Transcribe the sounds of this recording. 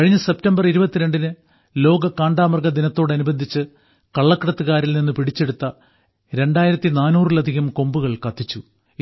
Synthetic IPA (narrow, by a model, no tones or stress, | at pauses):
kɐɻiɲːɐse̞p̚tɐmbɐriɾubɐt̪ːiɾe̞ɳɖinɨ | lo̞ːɡɐkaːɳɖaːmɐrɡɐd̪inɐt̪ːo̞ːɽeɐnubɐnd̪ʱit͡ɕːɨ | kɐɭːɐkːɐɽɐt̪ːɨɣaːɾilninːɨpiɽit͡ɕːe̞ɽut̪ːɐ | ɾe̞ɳɖaːjiɾɐt̪ːinaːnuːrilɐd̪ʱiɣɐmko̞mbuɣɐɭkɐt̪ːit͡ɕːu